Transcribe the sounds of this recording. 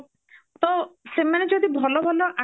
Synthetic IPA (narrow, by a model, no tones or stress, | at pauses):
t̪ɔsemaned͡ʒod̪ibʱɔlɔbʱɔlɔʔa